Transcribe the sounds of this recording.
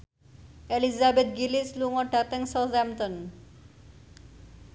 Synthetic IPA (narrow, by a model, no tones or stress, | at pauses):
elizabed̪̚ɡilisluŋɔʈat̪eŋsɔzɛmt̪ɔn